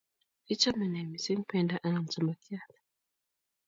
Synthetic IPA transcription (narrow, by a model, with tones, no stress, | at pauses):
i˦t͡ʃa˦mɛ˨nɛ˨mi˨si˦ŋ̩˦pɛndaʔa˦na˨m̩˨t͡ʃama˨kia˦tḁ